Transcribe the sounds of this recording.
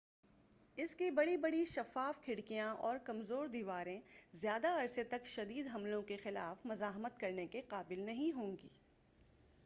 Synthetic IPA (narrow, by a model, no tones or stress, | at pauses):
ɪskibɐɽibɐɽiʃɐfaːfkʰɪɽkijãʔɔːɾkɐmzoːɾd̪iːʋaːɾẽzjaːd̪aɐɾset̪ɐkʃɐd̪iːd̪ɦɐmlõkexɪlaːfmɐzaːɦmət̪kɐɾnekeqaːbɪlnɐɦĩɦõːŋɡḭː